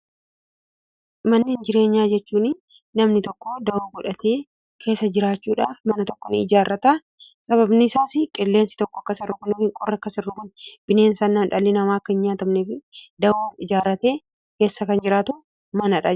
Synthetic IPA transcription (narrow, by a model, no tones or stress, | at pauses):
mɐnːeːnd͡ʒɪɾe̞ːɲːaːd͡ʒɛt͡ʃːuːnɪ | nɐmnɪt̪ɔkːod̪ɐoːɡʊᶑɐt̪ʰeː | kʰe̞ːsːɐd͡ʒɪɾaːt͡ʃːuːᶑa̰ːfmɐnɐt̪ɔkːɔnɪ̰ɪd͡ʒaːrːɐt̪ɐ | sʼɐβɐbnɪsaːsɪkʼɪlːe̞ːnsɪ̥t̪ɔkːɔɐkːɐsɪrːʊkʊnɪfɪŋkʼɔrːɐkːɐsɪrːʊkʊnb̥ɪne̞ːnsɐnːaːnᶑɐlːɪnɐmaːɐkːɐɪnɲaːt̪ɐmnɛfɪd̪ɐoːɪd͡ʒaːrːɐt̪e̞ː | ke̞ːsːɐkɐnd͡ʒɪɾaːt̪ʊ | mɐnɐᶑɐ